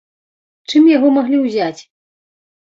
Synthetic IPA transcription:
t͡ʂɨmjaɣɔmaɣlʲiwzʲat͡sʲ

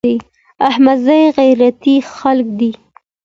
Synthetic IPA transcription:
i | ahmazajɣajɾat̪ixalkd̪i

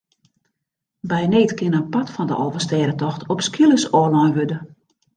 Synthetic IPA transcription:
bɛjneːtkɪnənpatfɔndə̰ʔɔːvəstɛːɾətɔxtʰɔpskʰilˠəsɔːlɔjʋødə

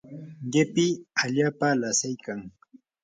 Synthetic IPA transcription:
ɢɪpɪaʎaːpalasɪjkaŋ

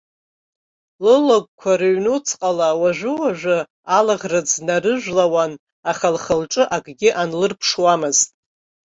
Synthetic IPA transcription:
lɨlakʷʼkʷʰaɾɨɥnut͡sʰqʼalawaʒᶣʷɨwaʒʷᶣʊ | alaʁrɨd͡znarɨʒʷᶣlawan | aχalχəlʈ͡ʂʼɨʔakʼɡʲɪʔanlɨrpʰʂwamɨztʼ

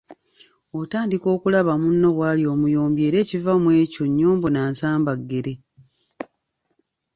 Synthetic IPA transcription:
otaːndiko̞ːkulaβamunːo̞βwaːlio̞ːmujo̞ːmbje̞ːɾe̞ːcivamwe̞ːco̞ɲːuːmbonaːnsaːmbaɡːeɾe

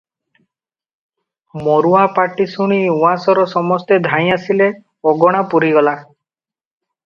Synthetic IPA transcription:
mɔɾuapaʈisuɽ̃iuasɔɾɔsɔmɔst̪ed̪ʱãj̃asile | ɔɡɔɽ̃apuɾiɡɔla

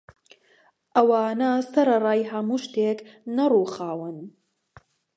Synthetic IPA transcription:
ʔɐwaːnɐsɐɾɐrˤɑːjɦɐmuːʃt̪eːknɐruːxaːwɨn

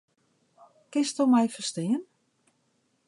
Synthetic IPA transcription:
kɪstomɛjfəstɪːən

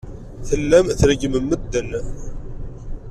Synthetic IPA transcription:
θəlːæmθɾəɡməmːəd̪ːən

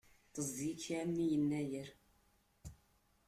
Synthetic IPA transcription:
θəzˤːikːamːijənːæjəɾ

